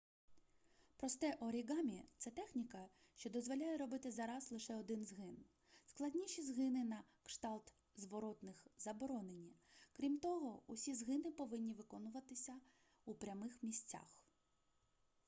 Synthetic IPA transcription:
pɾɔst̪ɛʔɔɾʲiɡɑmʲit̪sɛt̪ɛxnʲikɐ | ʃt͡ʃɔd̪ɔzʋɔlʲajɛɾɔbɪt̪ɪzɐɾɑzlˠɪʃɛɔd̪ɪnzɦɪn | sklˠɐdʲnʲiʃʲizɦɪnɪnɐ | kʃt̪ɑlˠt̪ | zʋɔɾɔt̪nɪxzɐbɔɾɔnenʲikɾʲimt̪ɔɦɔusʲizɦɪnɪpɔʋɪnʲːiʋɪkɔnʊʋɐt̪ɪsʲɐ | upɾʲɐmɪxmʲisʲt͡sʲa̰x

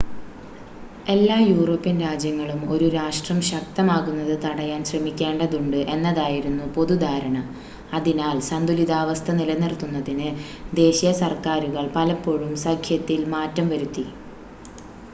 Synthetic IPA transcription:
e̞lːaːjuːro̞ːpːinɾaːd͡ʑjɐŋːɐɭumo̞ɾuɾaːʂʈrɐmɕɐk̚t̪ɐmaːɣunːɐðɨt̪ɐɽɐjaːnɕrɐmikʲːe̞ːɳɖɐðuɳɖɨʔe̞nːɐðaːjiɾunːupo̞ðud̪ʱaːɾɐɳɐ | ɐðinaːlsɐnd̪uliðaːʋɐst̪ʰɐnilɐnirt̪ːunːɐðinɨ | d̪e̞ːɕijɐsɐrkaːɾuɣɐɭpɐlɐpːo̞ɻumsɐkʰjɐt̪ːilmaːtːɐmʋɐɾut̪ːi

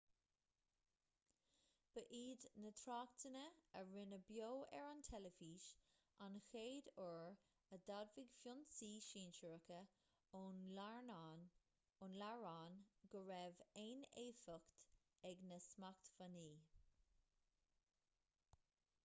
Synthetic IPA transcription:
b̥əʔiːd̪nət̪ʰɾaːkt̪ʰənəəɹɪnəbjoːɛ̰ɹant̪ʰɛləfiːʃ | anxeːd̪ɔɹ | əd̪advɪɡfjʊnsiːʃiːnʃəɹəkə | ʊnlaɹnaːn | ʊnlaɹaːnɡ̥əɹɛveːneːfəkt̪ | ɛɡnəsmakt̪vaniː

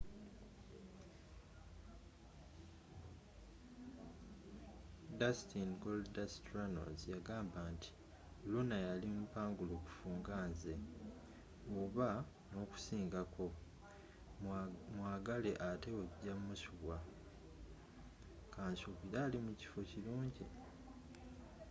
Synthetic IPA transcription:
dastinɡolddastɾano̰zjaɡaːmbaːntʰi̥ | lunajalimupaːŋɡuloku̥fuːŋɡaːnze̞ | oβa | no̞ːku̥siːŋɡakʰo̞ | mwaːɡale̞ʔate̞weβɟamːusuβwa | kaːnsuβiɾaːlimuci̥fociluːɲɟi

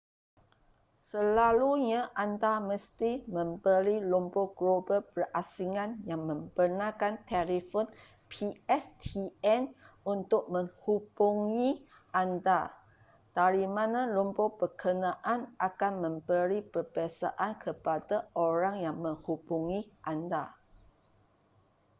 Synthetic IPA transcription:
səlaluɲãʔandaməst̪imə̃mbəɾilumboɡ̥lobəpərasiŋãnjaŋmə̃mbərnãkant̪ɛlifon | pʰiɛst̪ʰiɛnunt̪ʊk̚mə̃ŋhub̥uŋĩ | ʔanda | d̥aɾimãnãlumpobəkʰənãʔanʔakanmə̃mbəɾipərbasa̰ʔankʰəpadaoɾaŋjaŋmə̃ŋhubuŋiʔanda

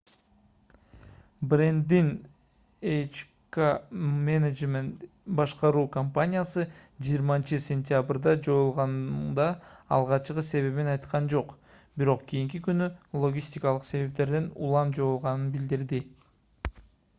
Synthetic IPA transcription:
brend̪in | et͡ʃ | kamened͡ʒment̪ | bɑʃqɑɾuːkɐmpanʲijasɯd͡ʒijːɾmɑnt͡ʃɯsʲenʲt̪ʲɪjabrd̪ɑd͡ʒo̞julˠʁɑnd̪ɑ̰ːlˠʁɑt͡ʃqɯse̞βe̞βinɑjt̪qʰɑnd͡ʒo̞q | biɾo̞qkʰʲijiŋk̬ikynylˠo̞ɡʲisʲt̪ʲikɑlˠɯqse̞βe̞p̚t̪e̞ɾd̪enṵlˠɑmd͡ʒo̞julˠʁɑnɯnbild̪iɾd̪i

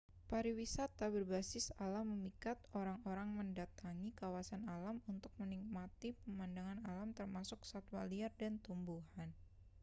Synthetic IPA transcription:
paɾiwisat̪abərbasɪsalamːəmikat̪̚oɾaŋoɾaŋməndat̪aŋikawasanalamunt̪ʊk̚mənik̚mat̪ipəmandaŋanalamt̪ərmasʊksat̪waliardant̪umbuɦan

